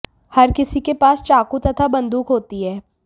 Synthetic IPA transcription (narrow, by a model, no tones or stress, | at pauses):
hɐɾkɪsikepaːst͡ʃaːkut̪ɐt̪ʰabɐ̃nd̪uːkɦoːt̪iɦɛː